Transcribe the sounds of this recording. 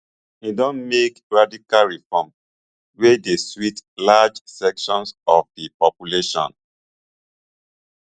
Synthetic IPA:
idɔ̃nmekɹadikalɹifɔm | wedeswitlad͡ʒsɛkʃɔ̃nsɔfdipɔpjuleʃɔ̰̃n

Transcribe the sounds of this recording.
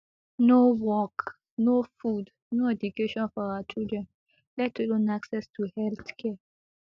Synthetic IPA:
nowɔk | nofud | noɛd͡ʒukeʃɔ̃nfɔawat͡ʃildɹɛ̃n | lɛtulõnaksɛstʰuhɛlt̪kʰɛ

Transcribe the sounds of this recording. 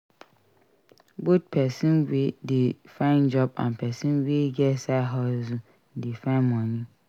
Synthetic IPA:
bot̚pʰɛsĩmwidɪ | fãɪ̃nd͡ʒɔbã̰mpʰɛsĩnweɡɛsaɦɔzũ | dɪfãɪnmɔ̃ɲĩ

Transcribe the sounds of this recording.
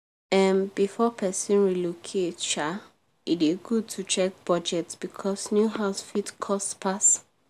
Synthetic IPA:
ɛ̃nbifɔpʰɛsĩnɹilokʰett͡ʃa | itiɡud̚tʰut͡ʃɛk̚bɹɔd͡ʒɛtsb̥ikʰɔsnjuɦaʊsfitkʰɔstpʰas

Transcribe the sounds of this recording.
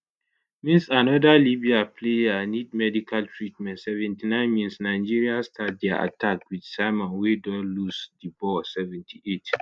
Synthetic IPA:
mĩnsanɔdalibiapʰlejanid̚mɛdikʰaltʰɹitmɛ̃ntsɛvɛ̃ntinãɪ̃nmĩnsnaɪd͡ʒiɹiastʰat̚dɛʔa̰tʰakwid̥saɪmɔ̃nwedɔ̃lusdibɔsɛvɛ̃ntʰiʔet

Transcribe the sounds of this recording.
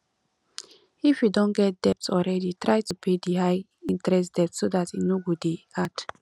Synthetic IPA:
ifjudɔ̃nɡɛt̚d̥ɛp̚tsɔlɹɛditɹaɪtupʰediɦaɪ | ĩntɹɛs̬td̥ɛp̚tsodatinoɡudeat

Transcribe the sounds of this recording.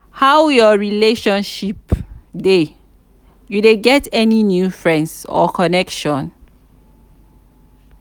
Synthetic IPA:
hawjɔɹileʃɔ̃nʃipde | judeɡɛtɛninjufɹɛ̃ndsɔ̰kʰɔnɛkʃɔ̃n

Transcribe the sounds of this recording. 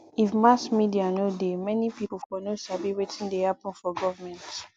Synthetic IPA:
ifmasmidianodemɛnipipufɔnosʃabiwetʰĩndehapɔ̃nfɔɡɔvamɛ̃nt

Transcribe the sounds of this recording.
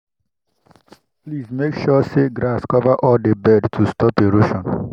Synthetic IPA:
pliːzmekʃɔseɡɾaskɔvaʔɔldebɛdtʰustɔpeɾoʃɔ̃n

